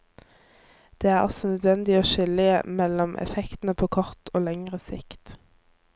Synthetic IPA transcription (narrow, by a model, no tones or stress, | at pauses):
d̪̥eːæːʁɑ̰sɔnœd̪ʋɛnd̪ɪoːʃʏlɪə̰mɛlɔmʔɛ̰fɛkt̪n̩əpʰoːkʰɔʁt̪ʰoːlɛŋʁəsɪ̰kt̪